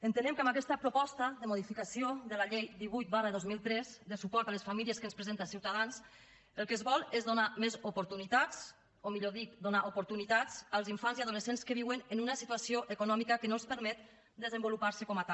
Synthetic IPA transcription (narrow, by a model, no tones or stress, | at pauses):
ənt̪ənɛmkəmakɛst̪əpɾupɔst̪əðəmuð̞ifikasioðəlaʎejd̪iβujt̪̚barəðozmilˠt̪ɾɛzd̪əsupɔɾt̪aləsfamiliəskənspɾəzent̪asiwt̪aðans | əlˠkəzβɔlˠezðonamezupuɾt̪unit̪at͡s | omiʎoðikd̪onaʔupuɾt̪unit̪at͡səlˠziɱfanziaðuləsenskəβ̞iwənənunəsit̪uasioʔəkunɔmikəkənospəɾmɛt̪ | d̪əzəmbulupaɾsəkɔmat̪a